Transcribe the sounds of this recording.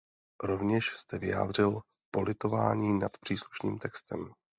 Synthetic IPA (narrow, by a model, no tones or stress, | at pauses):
ɾo̞vɲɛʃst̪ɛvɪja̰ːd̪r̝ɪl | po̞lʔɪt̪o̞va̰ːɲiːnat̪pr̥iːsluʃnḭːmt̪ɛkst̪ɛm